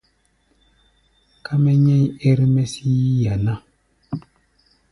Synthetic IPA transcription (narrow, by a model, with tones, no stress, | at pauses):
ka˦mɛ˦ɲɛ˦e˦ɾi˦mɛ˦si˦ja˨na˦